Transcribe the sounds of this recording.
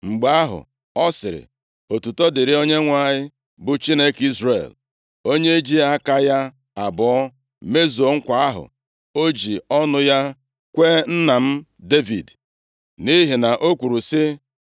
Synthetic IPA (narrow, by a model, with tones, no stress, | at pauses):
ŋ͡m̩˨ɡ͡ba˦ɦʊ̰˨ | ɔ˦sɪ˨ɾɪ̰˨ | o˨tu˨tɔ˦dɪ˨ɾɪ˦o˦ɲe˦ŋʷa˦ɲɪ˦ | bʊ˨t͡ʃi˦ne˦ki˦zrḛ˨l | o˦ɲe˦d͡ʒi˦a˦ka˦ja˦ | a˨bɔ˨˦ɔ˦ | me˦zo˨ŋ̩˦kʷa˨a˦ɦʊ̰˨ | o˦d͡ʒi˨ɔ˦nʊ˦ja˦ | kʷe˦n̩˦na˨m̩˦ | de˦vḭ˨d | ni˦ɦi˨na˨ʔo˦kʷu˨ɾu˨sɪ˦